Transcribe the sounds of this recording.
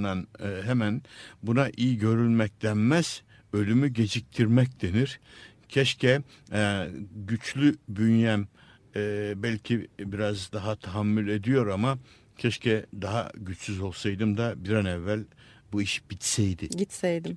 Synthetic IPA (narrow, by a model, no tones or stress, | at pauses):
nanɦɛmænbunaʔijiɟø̞ɾylʲmɛc̚d̪ænmæz̥ | ø̞lʲymyɟe̞d͡ʒic̚t̪ʰiɾmɛcd̪e̞niɾ̥ | cʰɛʃcʰɛ | ɟyt͡ʃlʲybynjæmː | bælʲcʰibiɾazd̪aɦat̪ʰaɦamːylʲe̞d̪ijo̞ɾama | cʰɛʃcʰɛd̪aɦa̰ɟyt͡ʃsyzo̞lˠsajd̪ɯmd̪abiɾanɛvːælʲ | buiʃbit̪sɛjd̪ɪɟit̪sɛjd̪ɪm